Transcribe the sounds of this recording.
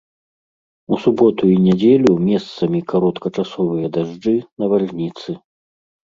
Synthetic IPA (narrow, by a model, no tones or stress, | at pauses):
usubɔt̪uinʲɛd͡zʲelʲumʲɛst̪sɐmʲikaɾɔt̪kɐt͡ʂasɔvɨjɐd̪aʐd͡ʐɨnɐvalnʲit̪sɨ